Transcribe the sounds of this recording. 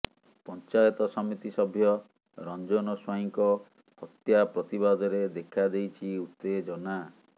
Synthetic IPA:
pɔnt͡ʃajɔt̪ɔsɔmit̪isɔbʱjɔ | ɾɔnd͡ʒɔnɔswaɦiŋkɔ | hɔt̪japɾɔt̪ibad̪ɔɾed̪ekʰad̪ejt͡ʃʰiut̪ːed͡ʒɔna

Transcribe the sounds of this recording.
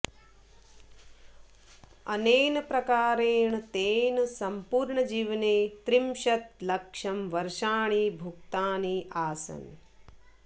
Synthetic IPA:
ɐneːnɐpɾɐkaːɾeːɳɐt̪eːnɐsɐmpuːɾɳɐd͡ʒiːʋɐneːt̪ɾimʃɐt̪lɐkʂɐmʋɐɾʃaːɳiːbʱukt̪aːniːʔaːsɐ̰n

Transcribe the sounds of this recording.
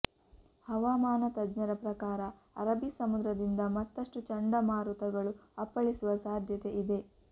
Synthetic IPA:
hɐʋaːmaːnɐt̪ɐdɲɐɾɐpɾɐkaːɾɐ | ɐɾɐbisɐmud̪ɾɐd̪ind̪ɐmɐt̪ːɐʂʈut͡ʃɐɳɖɐmaːɾut̪ɐɡɐɭuɐpːɐɭisuʋɐsaːd̪ʱjɐt̪e̞ʔid̪e̞

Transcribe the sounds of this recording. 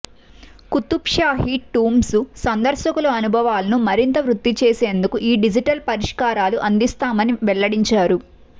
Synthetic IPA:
kut̪ːupʂaːɦiʈːuːmsusɐnd̪ɐɾʃɐkuluɐnubʱɐʋaːlɐnumɐɾint̪ɐʋɾut̪ːit͡ʃe̞ːse̞ːnd̪ukuʔiːɖid͡ʒiʈɐlpɐɾiʂkaːɾaːluʔɐnd̪ist̪aːmɐniʋɛɭːɐɽiɲt͡ʃaːɾu

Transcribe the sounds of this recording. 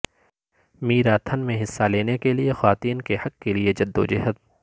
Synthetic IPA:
miːɾaːt̪ʰɐnmẽɦɪsːaleːnekeliexwaːt̪iːnkehɐkːelied͡ʒɐd̪ːo̰d͡ʒɛɦəd̪̚

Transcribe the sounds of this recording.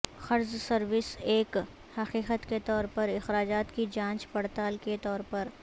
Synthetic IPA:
xɐɾzsɐɾʋɪseːk | hɐqiːqət̪ket̪ɔːɾpɐɾɪxɾaːd͡ʒaːt̪kid͡ʒãːt͡ʃpɐɽt̪aːlket̪ɔːɾpɐɾ

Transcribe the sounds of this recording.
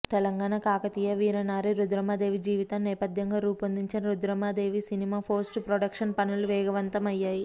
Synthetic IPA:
t̪ɛlɐŋɡaːnakaːkɐt̪iːjɐʋiːɾɐnaːɾiɾud̪ɾɐmaːd̪e̞ːʋid͡ʒiːʋit̪ɐmnɛːpɐd̪ʱjɐŋɡaːɾuːpɐnd̪iɲt͡ʃinɐɾud̪ɾɐmaːd̪e̞ːʋisinimaːpʰoːɾsʈpɾoɖɐkʂɐnpɐnuluʋɛːɡɐʋɐnt̪ɐmɐjːaːji

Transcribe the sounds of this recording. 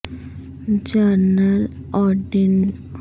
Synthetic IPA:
d͡ʒəɾnəl | ɔɖin

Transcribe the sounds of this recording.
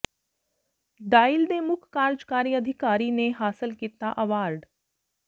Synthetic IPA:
ɖaːɪld̪eːmʊkʰkaːɾd͡ʒkaːɾiɐd̪ʱɪkaːɾineɦaːsɪlkiːt̪aʔɐʋaːɾɖ

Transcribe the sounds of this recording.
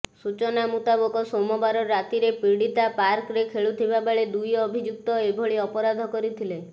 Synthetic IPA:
sut͡ʃɔnamut̪abɔkɔsomɔbaɾɔɾːat̪iɾepɾiɽit̪apaɾkɾekʰeɭut̪ʰibabaɭed̪ujɔbʱid͡ʒuk̚t̪ɔebʱɔɭiɔpɔɾad̪ʱɔkɔɾit̪ʰile

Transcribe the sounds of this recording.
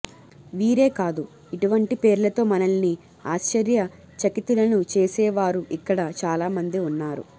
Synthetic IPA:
ʋiːɾe̞ːkaːd̪u | iʈuʋɐɳʈipe̞ːɾulɐt̪o̞ːmɐnɐlni | aːʃt͡ʃɐɾjɐ | t͡ʃɐkit̪ːulɐnut͡ʃeːsɛːʋaːɾuʔikːɐɽɐt͡ʃaːlaːmɐnd̪iunːaːɾṵ

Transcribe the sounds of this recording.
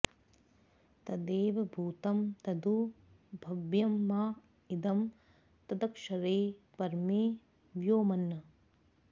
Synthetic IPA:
t̪ɐd̪eːʋɐbʱuːt̪ɐmt̪ɐd̪u | bʱɐʋjɐmːaː | id̪ɐm | t̪ɐd̪ɐkʂɐɾeː | pɐɾmeː | ʋjoːmɐnːɐ

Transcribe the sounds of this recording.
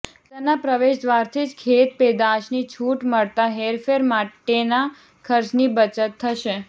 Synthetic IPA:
t̪ənapɾəʋeʃd̪ʋaɾt̪ʰid͡ʒkʰet̪̚ped̪aʃnit͡ʃʰuʈməɭt̪aɦeɾfeɾmaʈena | kʰəɾt͡ʃnibət͡ʃət̪ʰːəʃe

